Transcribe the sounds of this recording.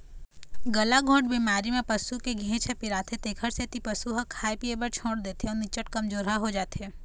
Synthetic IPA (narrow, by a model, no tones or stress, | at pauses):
ɡɐlaɡʱõːʈ̚biːmaːɾimẽpɐsukeɡʱẽːt͡ʃʰəpɪɾaːt̪ʰet̪eːkʰəɾset̪ipɐsuɦakʰaːepiebɐɾt͡ʃʰõːɽd̪eːt̪eɔːnɪt͡ʃəʈkɐmd͡ʒoːɾɦaɦod͡ʒaːt̪eː